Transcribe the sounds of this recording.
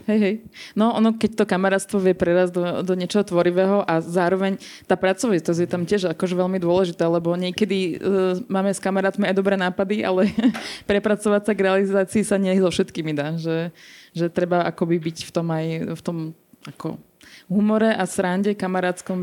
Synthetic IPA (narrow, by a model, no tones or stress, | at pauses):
ɦɛjɦɛjnɔʔɔnɔkɛc̚t̪ɔkamaɾaːt̪st̪ʋɔʋɪɛpɾɛɾazd̪ɔd̪ɔɲɪɛt͡ʃɔɦɔt̪ʋɔɾiʋɛːɦɔʔazaːɾɔʋɛɲt̪aːpɾat͡sɔʋit̪ɔzjɛt̪amcɪɛʒakɔʒɛʋɛʎmid̪ʊɔlɛʒit̪aːlɛbɔɲɪɛkɛd̪imaːmɛskamaɾaːt̪miajd̪ɔbɾɛːnaːpad̪iʔa̰lɛpɾɛpɾat͡sɔʋat͡saɡɾɛalizaːt͡siːsaɲɪɛjɛzɔfʃɛt̪kiːmid̪aːʒɛʒɛt̪ɾɛbaakɔbibicft̪ɔmajft̪ɔm | akɔ̰ | ɦumɔɾɛʔasɾaɲɟɛkamaɾaːt̪t͡skɔm